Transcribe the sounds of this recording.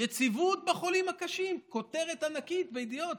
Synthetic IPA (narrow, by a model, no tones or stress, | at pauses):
jet͡sivut̪̚baχo̞limhakaʃimko̞t̪e̞ʁe̞t̪anakit̪veid̪ijo̞t̪̚